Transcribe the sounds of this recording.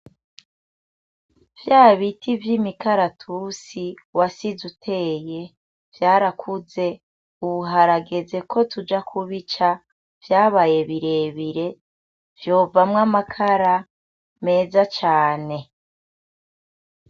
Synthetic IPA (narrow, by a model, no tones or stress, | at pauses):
vjaːβitivjiːmikaɾatʰusi | wasizutʰe̞ːje̞ | v̥jaːɾakʰuze̞ | uβuɦaɾaɡe̞ze̞kʰo̞tʰud͡ʒakʰuβit͡ʃa | v̥jaːβaje̞βiɾe̞ːβiɾe̞ | vjo̞ːvamŋamakʰaɾa | me̞ːzat͡ʃaːne̞